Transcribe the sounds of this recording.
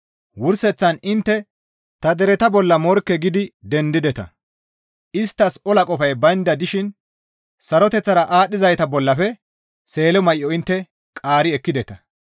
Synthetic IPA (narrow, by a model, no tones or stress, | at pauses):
wʊɾsɛt͡sːɐnɪnt̪ːɛ | t̪ɐd̪ɛɾɛt̪ɐbɔlːɐmɔɾkːɛɡɪd̪ɪd̪ɛnd̪ɪd̪ɛt̪ɐ̰ | ɪst̪ːɐsɔlɐkʼɔfɐjbɐjnd̪ɐd̪ɪʃɪn | sɐɾɔt̪ɛt͡sːɐɾɐʔaːɗːɪzɐjt̪ɐbɔlːɐfɛ | se̞ːlɛmɐjʔɔɪnt̪ːɛ | kʼaːɾɪɛkːɪd̪ɛt̪ɐ